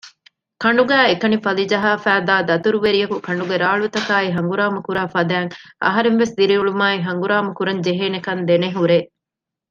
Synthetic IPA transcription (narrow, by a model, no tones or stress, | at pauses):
kɐɳɖuɡæːekɐnifɐlid͡ʒɐɦaːfæːd̪aːd̪ɐt̪uɾuʋeɾijɐkukɐɳɖuɡeɾaːɭut̪ɐkaːiɦɐŋɡuɾaːmɐkuɾaːfɐd̪æːŋʔɐ̰ɦɐɾeŋʋesd̪iɾiuɭumaːiɦɐŋɡuɾaːmɐkuɾɐɲd͡ʒeɦeːnekɐnd̪eneɦuɾeː